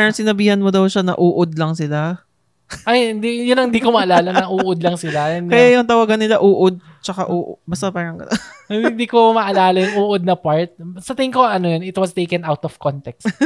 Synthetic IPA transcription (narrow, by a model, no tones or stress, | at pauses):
paɾɐŋsɪnɐbiːhɐnmod̪ɐwʃanɐ̰ʔuːʔod̪̚lɐŋsɪla | ʔɐjɪnd̪ijʊnːɐŋɪnd̪iːkomɐʔɐlaːlɐnɐʔuːʔod̪lɐŋsɪlajʊnkɐjajʊŋt̪ɐwaːɡɐnːɪlaʔuːʔod̪̚ | t͡ʃɐka̰ʔuːʔbɐst̪apaːɾɐŋkɐhɪ̃nd̪iːkomɐʔɐlaːlɐjʊŋʔuːʔod̪̚nɐpaɹt̪̚sɐt̪ɪŋkoʔɐnojonɪt̪wɐst̪ejkɛnawt̪ɔfkont̪ɛks